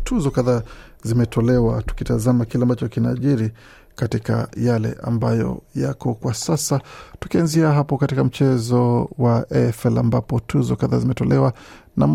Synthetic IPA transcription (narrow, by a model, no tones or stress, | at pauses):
tʰuzɔkaða | zimɛtʰɔlɛwatu̥kitazamakilɛambat͡ʃɔkina̰ʄiɾi | katika̰jalɛ̰ʔa̰mbajɔ̰jakɔkwasasatu̥kianziaɦapɔkatikam̩t͡ʃɛzɔwaʔɛfɛlambapɔtʰuzɔkaðaːzimɛtɔlɛwa | nam